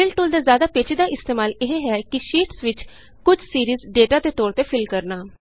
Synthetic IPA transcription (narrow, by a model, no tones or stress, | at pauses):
bɪlʈʊld̪aːzjaːd̪aːpeːt͡ʃʰed̪aːɪst̪eːmaːlɪɦeɦɛːkɪʃiːʈsʋɪt͡ʃ | kʊd͡ʒsiːɾiːzɖeːʈaːd̪eːt̪oːɾt̪eːpʰɪlkəɾnaː